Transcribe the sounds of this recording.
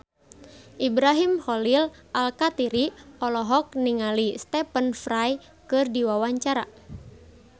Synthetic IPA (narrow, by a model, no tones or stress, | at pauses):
ʔibɾaɦimhɔlilʔalkat̪iɾiɔlɔɦɔk̚niŋalist̪ɛpənfraj | kɨrdiwawaɲt͡ʃaɾa̰